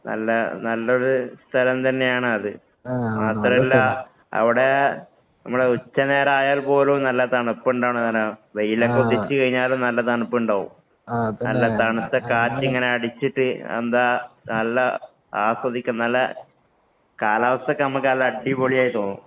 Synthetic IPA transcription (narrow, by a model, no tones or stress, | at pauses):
nɐ̰lːɐnɐlːɐo̞ɾust̪ʰɐlɐmt̪ɐnːe̞jaːɳɨɐðɨ | maːt̪rɐmilːɐ | ɐ̰ʋiɽe̞ | nɐmːuɽeut͡ɕːɐne̞ːɾaːjaːlpo̞ːlonɐlːɐt̪ɐɳupːuɳɖaːɳoɐnɐʋejilokːeut̪ːet͡ɕːɨkɐɻiɲːaːlomnɐlːɐt̪ɐɳupːuɳɖaːʋṵm | nɐlːɐt̪ɐɳut̪ːɐkaːt͡ɕːiŋːɐne̞ɐɽit͡ɕːiʈːɨḛnd̪aːnɐlːɐ | aːswɐðikʲːunɐlːɐ̰ | kaːlaːʋɐst̪ɐkːenɐmukːɨɐlːɐɐɖːiboɭijaːjit̪o̞ːnːṵ